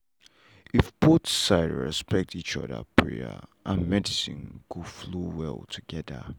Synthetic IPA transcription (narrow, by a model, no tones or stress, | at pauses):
ʔɪfb̥otsaɪdɹɛ̰spɛk̚tit͡ʃʌ̰ðə̰pʰɹḭə̰ʔə̃nmɛdɪsɪ̃nkuflowɛ̰lˠtʰuɡɛðə̰